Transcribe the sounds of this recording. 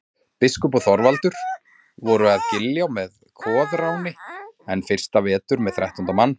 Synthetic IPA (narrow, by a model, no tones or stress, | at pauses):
pɪskʏpɔθɔɾvalt̪ʏɾ̥ | vɔɾʏaðcɪljawmɛðkʰɔːðɾawnɪɛnfɪr̥st̪avɛːt̪ʏɾmɛðθɾajht̪ɔnt̪amanː